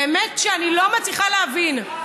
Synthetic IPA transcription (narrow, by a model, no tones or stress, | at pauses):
emetʃeanilo̞mat͡sliχaleavin